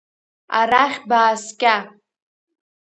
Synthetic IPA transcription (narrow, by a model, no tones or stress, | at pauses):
a̰ɾaχʲbaːskʲʼa